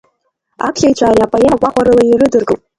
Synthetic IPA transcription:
a̰kʰɬʲajt͡ʃʷʰʼaːlʲapʼajakʷʼaχʷaɾɨlajirɨdɨrɡʼɨpʼ

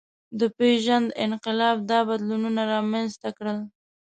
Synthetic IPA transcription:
d̪əpeʒand̪ɪnqɪlɑb̚d̪ɑbad̪lununaɾɑmanzt̪akɽəl

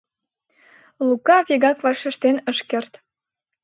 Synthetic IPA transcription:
lukɑβʲeɣɑkvɑʃə̆ʃt̪enə̆ʃkert̪

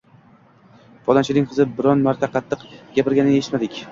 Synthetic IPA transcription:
vɒd̪ant͡ʃʰɪnɪŋqʰɨzɪbɪɾɒnmaɾt̪ʰaqʰɑt̪ʰːɨqɡʲapɪɾɡʲanɪeɪt̪mad̪ɪkʲ

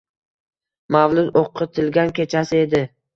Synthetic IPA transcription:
mavlˠʊd̪oqʰːɨt̪ʰɪlɡʲankʲe̞t͡ʃʰasɪe̞d̪ɪ

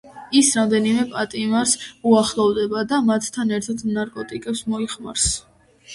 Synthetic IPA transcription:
isɾamd̪ɛnimɛpʼat̪ʼimaɾsuaχlˠɔvd̪ɛbad̪amat̪ʰt̪ʰːanɛɾt̪ʰat̪ʰnaɾkʼɔt̪ʼikʼɛpsmɔiχma̰ɾs

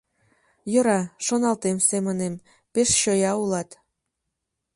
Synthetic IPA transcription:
jɤ̆ɾɑʃonɑlt̪emsemənem | peʃɕojɑulɑt̪

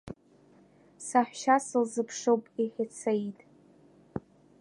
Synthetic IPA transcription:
saħʷᶣʃasɨlzɨpʰʂowpʼiħʲɪt͡sʰaitʼ

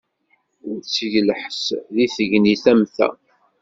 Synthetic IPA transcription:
ɾt͡sːʝləħsðiθəʝniθæmθæ̰

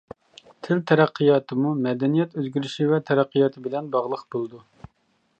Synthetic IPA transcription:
t̪ʰɪlt̪ʰɛɾæqʰːɨjɑːt̪ʰɨmumɛd̪ɛnijɛt̪øzɡʲyɾyʃivɛt̪ʰɛɾæqʰːijɑːt̪ʰɨbɪlɛnbɑʁlˠəqb̥olˠd̪u

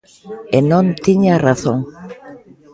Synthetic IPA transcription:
enõnt̪iɲaraθõŋ

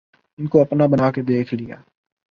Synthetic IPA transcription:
ɪnkoɐpnabɐnaːked̪eːkʰlija̰ː

